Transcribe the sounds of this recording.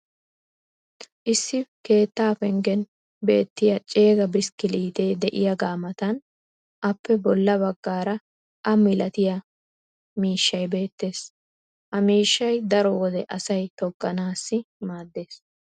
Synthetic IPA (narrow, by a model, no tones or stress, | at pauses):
ʔɪsːɪke̞ːt̪ːaːfɛŋɡɛn | be̞̰ːt̪ːɪjɐt͡ʃʼe̞ːɡɐbɪskɪliːt̪e̞ːd̪ɛʔɪjɐɡaːmɐt̪ɐn | ʔɐpːɛbɔlːɐbɐɡːaːɾɐ | ʔɐmɪlɐt̪ɪjɐ | miːʃːɐjbe̞ːt̪ːe̞ːs | ʔɐmiːʃːɐjd̪ɐɾɔwɔd̪ɛʔɐsɐjt̪ɔɡʼːɐnaːsːɪmaːd̪ːe̞ːs